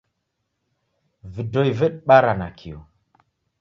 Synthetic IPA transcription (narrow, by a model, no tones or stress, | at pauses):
vidojvəɗɓaɾanakʰijo